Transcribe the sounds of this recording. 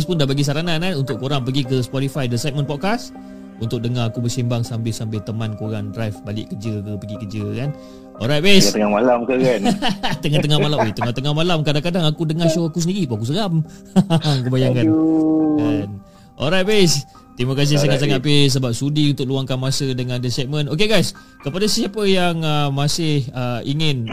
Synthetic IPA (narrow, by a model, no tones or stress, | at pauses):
spʊndabaɡis̬aɾanananunt̪ʊʔkoɾaŋpəɡikəspɔɾifajdəsajt̪̚mə̃npɔt̚kas | unt̪ʊk̚dəŋaakubərsimbaŋsambɪlsambɪlt̪əmankoɾaŋdrajfbalɪ̰ʔkəd͡ʒəkəpəɡikəd͡ʒəkan | ɔ̰lɾajt̪̚best̪əŋamalamkəkant̪əŋat̪əŋahmalamet̪əŋaht̪əŋahmalamkadaŋkadaŋakudəŋahʃoakus̬əndiɾipuakus̬əɣam | kəbajaŋkanan | ʔɔ̰lɾajt̚bes | t̪ɾimakas̬ɪs̬aŋat̪̚s̬aŋat̚pes̬əbap̚sudiunt̪ʊk̚luaŋkanmasədəŋãndəsɛʔ̚mə̃nokeɡajs | kəpadasəsiapəjaŋəmasɪhəiŋɪn